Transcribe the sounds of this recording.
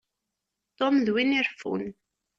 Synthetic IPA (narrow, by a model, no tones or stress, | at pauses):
t̪ɔmðwiniɾfṵn